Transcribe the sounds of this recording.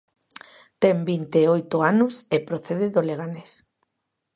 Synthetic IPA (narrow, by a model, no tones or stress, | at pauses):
t̪embint̪eojt̪oanʊsepɾoθeðeðoleɣ̞anes